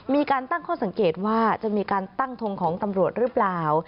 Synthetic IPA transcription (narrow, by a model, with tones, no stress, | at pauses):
miː˧kaː˧nt̪a˥˩ŋkʰɔː˥˩sa˨˩˦ŋkeː˨˩t̪̚waː˥˩t͡ɕa˨˩ʔmiː˧kaː˧nt̪a˥˩ŋt̪ʰo˧ŋkʰɔː˩˦ŋt̪a˧mɾu˨˩ət̪̚ɾɯː˩˦˥plaː˨˩w